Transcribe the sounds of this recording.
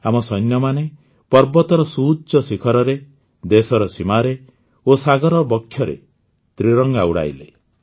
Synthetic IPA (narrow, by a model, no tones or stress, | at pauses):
amɔsɔjnjɔmane | pɔɾbɔt̪ɔɾɔsuːdt͡ʃɔsikʰɔɾɔɾe | d̪esɔɾɔsimaɾe | osaɡɔɾɔbɔkʰːjɔɾḛ | t̪ɾiɾɔŋɡauɽa̰jle